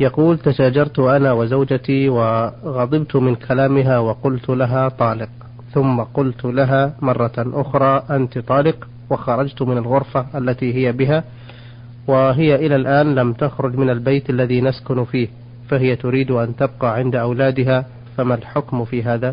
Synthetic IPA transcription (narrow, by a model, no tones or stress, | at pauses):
jɑquːlt̪aʃaːd͡ʒɑɾˤt̪ʊʔanawɪzawd͡ʒat̪iwɪɣɑd̪ˤɨbt̪ʊmɪnkʰalaːmɪɦawɑqʊlt̪laɦat̪ˤɑːlɪq | θʊmːaqʊlt̪laɦaːmɑrˤːɑʔʊxɾˤɑːʔant̪t̪ˤɑːlɪq | wɪxɑɾˤɑd͡ʒt̪mɪnalɣʊɾfaʔalːat̪iɦɪjabɪɦa | wɪɦɪjaʔɪlalʔaːnlamt̪axɾʊd͡ʒmɪnalbajt̪ʔalːaðinaskʊnfiːh | faɦɪjat̪ʊɾiːd̪ʔant̪ab̚qɑːʕɪnd̪aʔawlaːd̪ɪɦa | famalħʊkmfiːɦaːða